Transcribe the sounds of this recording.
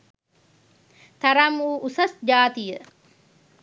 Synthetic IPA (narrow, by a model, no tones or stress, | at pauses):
t̪ɐɾɐmuːʔʊsɐsd͡ʒaːt̪ɪjɐ